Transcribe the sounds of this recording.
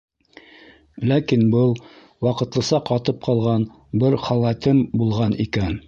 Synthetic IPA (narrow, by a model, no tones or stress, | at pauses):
lækinbɤlˠ | wɑqɤ̆t̪lˠɤ̆sɑqɑt̪ɤp̚qʰɑlˠʁɑn | bɘɾχɑlˠæt̪ɘmbulˠʁɑnikæn